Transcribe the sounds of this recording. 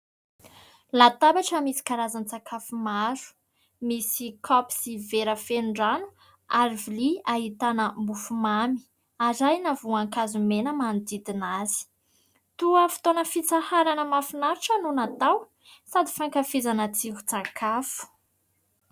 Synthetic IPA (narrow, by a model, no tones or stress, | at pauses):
lat̪abaʈ͡ʂəmisi̥kaɾazant͡sakʰafumazu̥ | misikʰɔpi̥siveɾəfenuɳɖ͡ʐanu̥ | aɾiviliaɦit̪anəmbufumami̥ | azajnavuaŋkazumenəmand̪id̪inazi̥ | t̪uəfi̥t̪onəfit͡sahaɾanəmafinaɾuʈ͡ʂənunat̪aw | sad̪ifaŋkafizanat͡siku̥t͡sakʰafu̥